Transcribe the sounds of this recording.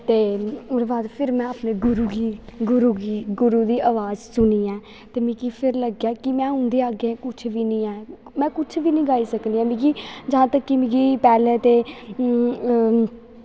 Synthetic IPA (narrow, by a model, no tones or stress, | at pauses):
t̪eːʊɾʋaːd̪pʰɪɾmɛ̃ːəpneːɡʊɾuːɡiːɡʊɾuːɡiːɡʊɾuːd̪iːʔaːʋaːzsʊniːɛ̃ː | t̪eːmĩːkiːpʰɪɾləɡjaːkɪmɛ̃ːɦʊ̃nd̪eːaːɡeɛ̃ːkʊt͡ʃʰʋiːnĩːɛː | mɛ̃ːkʊt͡ʃʰʋiːnĩːɡaːiːsəknd̪iɛ̃ːmĩːɡiːd͡ʒɦãːt̪əkːimĩːɡiːpɛːleːt̪eː